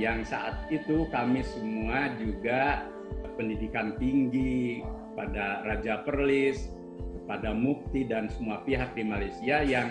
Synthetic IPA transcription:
jaŋsa̰ʔat̪̚it̪ukamisəmuad͡ʒuɡa | pəndidikant̪iŋɡikəpadarad͡ʒapərlɪs | kəpadamuk̚t̪idansəmuapiɦak̚dimalajsiajaŋ

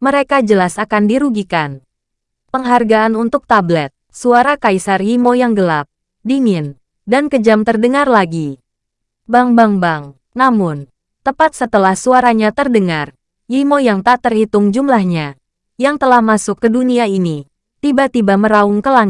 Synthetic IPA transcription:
məɾekad͡ʒəlasakandiɾuɡikan | pəŋɦarɡaːnunt̪ʊk̚t̪ablɛt̪̚suaɾakaisarjimojaŋɡəlap̚ | diŋɪn | dankəd͡ʒamt̪ərdəŋarlaɡi | baŋbaŋbaŋ | namʊn | t̪əpat̪̚sət̪əlahsuaɾaɲat̪ərdəŋar | jimojaŋt̪at̪ərhit̪ʊŋd͡ʒumlahɲa | jaŋt̪əlahmasʊkːəduniaini | t̪ibat̪ibaməɾaʊŋkəlaŋɪ

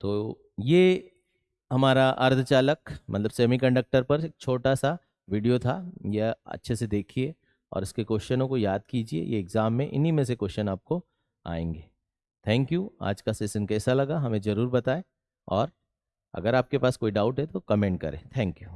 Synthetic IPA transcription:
t̪oː | je | ɦɐmaːɾaʔɐɾd̪ʱt͡ʃaːləkmɐt̪ləbseːmikɐ̃ɳɖək̚ʈəɾpɐɾk̚t͡ʃʰoːʈasa | ʋiːɖijot̪ʰajeɐ̰tːʃʰesed̪eːkʰie | ɔ̰ːɾɪskekoːʃʃənõkojaːd̪̚kiːd͡ʒiḛjḛɪɡzaːmːẽʔɪ̰nimẽsekoːʃənaːp̚ko | a̰ːḛ̃ːŋɡeː | t̪ʰɛ̃ːŋkjua̰ːd͡ʒkaseːsənkɛːsalɐɡaɦɐmẽzɐɾuːɾbɐt̪aːe | ɔːɾ | ɐ̰ɡəɾaːp̚kepaːskoːiɖaːʊʈɦɛt̪okɐmẽːɳʈ̚kɐ̰ɾḛ̃ːt̪ʰɛ̃ːŋkjuː

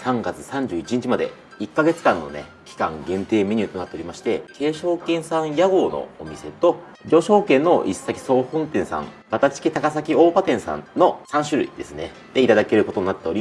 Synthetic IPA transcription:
sãŋɡat͡sɨ̥sãɲ̟d͡ʑɨːit͡ɕiɲ̟it͡ɕimad̪e̞̰ | ikːaɡe̞t͡sɨ̥kãnːo̞̰ne̞̰kʲi̥kã̰ŋɡẽ̞nt̪e̞ːmʲiɲ̟ʲit̪onat̪ːe̞o̞ɾʲimaɕi̥t̪e̞ke̞ːɕo̞ːkẽ̞ɰ̃sãɰ̃jaɡo̞ːno̞̰o̰mʲise̞t̪o̞ | ɾʲo̞ɕo̞ːkẽ̞nːo̞ʔisːakʲi̥so̞ːhõ̞nt̪ẽ̞ɰ̃sã̰ŋ | bat̪at͡ɕi̥kʲit̪akasakʲio̞ːpat̪ẽ̞ɰ̃sã̰nno̞sãɰ̃ɕɨɾɯ̟ḭd̪̥e̞sɨne̞ | d̪̥e̞it̪ad̪ake̞ɾɯ̟ko̞t̪o̞ɲinat̪ːeo̞ɾʲi

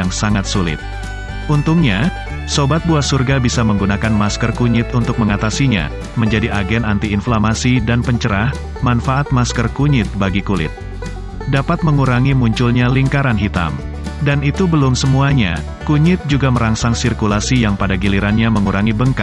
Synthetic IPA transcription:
jaŋsaŋat̪sulɪ̰t̪̚ | unt̪uŋɲa | sobat̪̚buahsurɡabisaməŋɡunakanmaskərkuɲɪt̪unt̪ʊk̚məŋat̪asiɲa̰ | məɲd͡ʒadiʔaɡɛnant̪iːnflamasidanpəɲt͡ʃəɾah | manfaat̪̚maskərkuɲɪt̪̚baɡikulɪ̰t̪̚ | dapat̪̚məŋuɾaŋimuɲt͡ʃulɲaliŋkaɾanɦit̪a̰m | danit̪ubəlʊmsəmuaɲa̰ | kuɲɪt̪̚d͡ʒuɡaməɾaŋsaŋsirkulasijaŋpadaɡiliɾanɲaməŋuɾaŋibəŋka

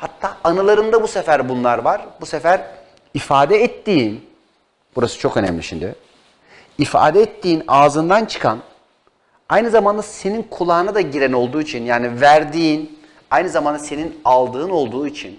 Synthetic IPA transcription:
hat̪ʰːaːanɯlˠaɾɯnd̪abusefæɾbunlˠaɾvaɾ̥busefæɾ | ifaːd̪ɛɛt̪ːiːn | buɾasɯ̥t͡ʃʰo̞kø̞nɛ̰mlʲiʃimd̪ɪ | ifa̰ːd̪ɛɛt̪ʰːiːnaːzɯnd̪ant͡ʃʰɯ̥kʰan | ajnɯzamand̪ase̞ninkʰulˠaːnad̪aɟiɾɛno̞lˠd̪uːit͡ʃʰinjaːnivæɾd̪iːn | ajnɯzamand̪ase̞ninalˠd̪ɯːno̞lˠd̪uːit͡ʃʰin

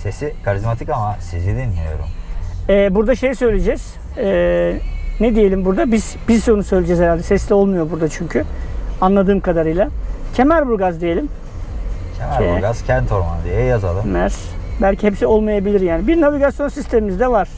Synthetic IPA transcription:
se̞sikʰaɾizmat̪ʰikamasizid̪inlʲijo̞̰ɾṵmɛːbuɾd̪aʃe̞jsø̞jlʲe̞d͡ʒɛz̥ | ɛː | nɛd̪ije̞lʲimbuɾd̪abiz̥bizsunusø̞jlʲed͡ʒɛzheɾalʲd̪ɛsɛslʲo̞lˠmujobuɾd̪at͡ʃʰyɲcʰyanlˠad̪ɯːmkad̪aɾɯjlˠacʰe̞mæɾbuɾɡazd̪ije̞lʲim | cʰemæɾbuɾɡaz̥cʰænt̪ʰoɾma̰nd̪ijɛjaza̰lˠɯmmæɾ̥ | bælʲcihepsio̞lˠmajabilʲiɾjaːnibiɾnaviɡasjo̞nsist̪ʰemimizd̪ɛvaɾ̥

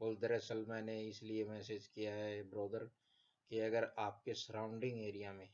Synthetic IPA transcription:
bold̪əɾɛsəlmɛ̃ːneɪsliemɛːseːd͡ʒkijaɦɛbɾoːd̪əɾ | kiɐɡəɾaːp̚kesəɾãːʊ̃ɳɖɪ̃ŋɡeːɾijamẽː

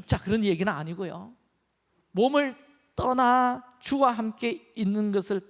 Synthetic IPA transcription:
ɯk̚t͡ɕ͈akɯɾʌnjeɡinɯna̰ɲiɡojo̰ | momɯɭ | t͈ʌnat͡ɕuwaɦamk͈e̞inːɯnɡʌsʰɯɭ

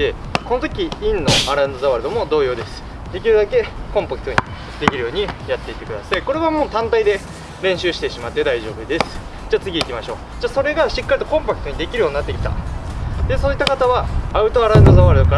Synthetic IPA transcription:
d̪e | ko̞not̪o̞kʲiĩnːo̞aɾãnd̪ozaβaɾɯd̪o̞mo̞d̪o̞ːjo̞ːd̪e̞sɨ̥ | d̪e̞kʲiɾɯ̟d̪ake̞kõ̞mpakɯ̟̥t̪o̞ɲ̟ḭ | d̪e̞kʲiɾɯ̟jo̞ːɲ̟ijat̪ːe̞it̪ːe̞kɯ̟d̪asaiko̞ɾe̞βamoːt̪ãnt̪aid̪e̞ | ɾẽ̞ɰ̃ɕɨːɕi̥t̪e̞ɕimat̪ːe̞d̪aiʑo̞ːbɯ̟d̪e̞sɨ̥ | d͡ʑaːt͡sɨɡʲiːkʲimaɕo̞ː | d͡ʑaːso̞ɾe̞ɡaɕikːaɾʲit̪o̞kõ̞mpakɯ̟t̪o̞ɲ̟id̪e̞kʲiɾɯjo̞ːɲiːnat̪ːekʲi̥t̪a̰d̪e̞so̞ːit̪ːakat̪aβaaɯ̟t̪o̞aɾãnd̪ozaβaɾɯd̪o̞ka

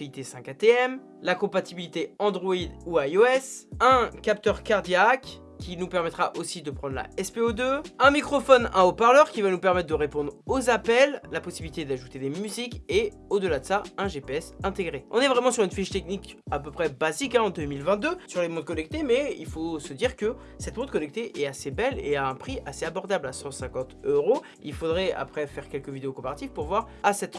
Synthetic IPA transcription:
it̪esɛ̃kat̪eɛm | lakɔ̃pat̪ibilit̪eɑ̃d̪ʁɔid̪uaoɛsɛ̃kap̚t̪œʁkaʁd̪jak | kʲːinupɛʁmɛt̪χaʔosid̪əpχɑ̃d̪ʁla̰ɛspeod̪øɛ̃mikχɔfɔnɛ̰̃opaʁlœʁkʲivanupɛʁmɛt̪̚ːd̪əʁepɔ̃d̪ʁozapɛlːapɔsibilit̪ed̪aʒut̪ed̪emyzike | od̪əlad̪əsaɛ̃ʒepeɛsɛ̃t̪eɡʁeɔ̃nɛvʁɛmɑ̃syʁynfiʃt̪ɛknikapøpχɛbazikɛ̃ɑ̃d̪ømilvɛ̃t̪̚d̪øsyʁlemɔ̃d̪̚kɔnɛk̚t̪emɛḭlfosəd̪iʁkə | sɛt̪mɔ̃t̪̚kɔnɛk̚t̪eʔɛt̪asebɛlḛaɛ̃pχiʔaseabɔʁd̪ablasɑ̃sɛ̃kɑ̃t̪øʁo | ilfod̪ʁɛa̰pχɛfɛʁkʲɛlkəvid̪eokɔ̃paʁat̪ifpuʁvwaʁ | asɛt̪

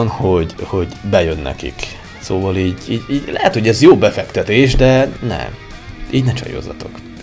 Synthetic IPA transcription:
nhoɟho̞ɟbɛjønːɛ̰kḭk | soːvɒliːɟiːɟiːɟlɛɦɛt̪ho̞ɟɛzjoːbɛfɛkt̪ɛt̪eːʒd̪ɛnɛ̰m | iːɟnɛt͡ʃɒ̰jo̰ːzːɒt̪o̞k

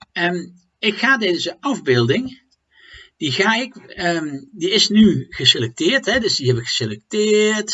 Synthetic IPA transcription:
ən | ɪkχaːdɛːəzəɑvbɪːlˠdɪŋ | d̥iɣaːɪkədiɪsnyɣ̥əselɛk̚tɪːrtɦɛdɵsdiɦɛbəɣə̥selɛk̚tɪːrt

